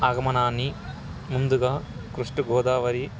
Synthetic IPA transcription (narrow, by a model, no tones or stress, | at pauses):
aːɡɐmɐnaːni | mund̪uɡɐ | kɾuʂʈɐɡoːd̪aːʋɐɾi